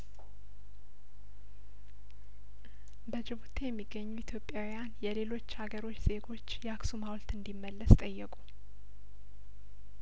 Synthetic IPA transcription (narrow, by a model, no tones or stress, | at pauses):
bəd͡ʒɪβut̪ʰejɛmːiɡːəɲːuit̪ʰjo̞pʼjawijanjɛle̞lo̞t͡ʃːhaɡəɾo̞t͡ʃːz̥e̞ɡo̞t͡ʃːjɛaksumawlt̪ɨnd̪imːəlːəst̪ʼəjːɛkʼu